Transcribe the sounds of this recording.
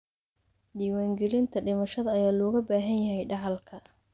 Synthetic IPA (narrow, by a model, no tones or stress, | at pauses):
d̪iːwaːŋɡɛlɪnt̪ʰɐɖɪmɐʃɐðɐːjaːlɔːɣɐbaːɦɐnjɐɦɛjɖɑʕɑlkʰɐ